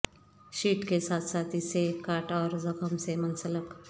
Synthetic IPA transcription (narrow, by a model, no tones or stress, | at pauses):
ɕiːʈkesat̪sat̪isekaʈɔɾd͡zəkʰəmsemənsələk